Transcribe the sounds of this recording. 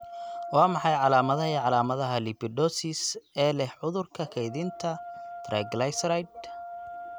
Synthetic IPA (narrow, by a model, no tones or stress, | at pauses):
wɑːmɑħɑjʕɑlaːmɐðɐɦiʕɑlaːmɐðɐɦɐlɪpʰɪd̪ɔsisɛːlɛhʕʊðʊrkʰɐkʰɛjðɪnt̪ʰɐd̪̥rɐɡlajsrajd̪̚